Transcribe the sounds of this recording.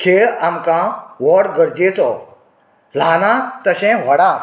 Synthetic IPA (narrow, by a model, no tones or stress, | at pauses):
kʰeɭamkãʋɔɽɡəɾd͡ʑet͡sɔ | l̤anãt̪əɕɛ̃ʋɔɽã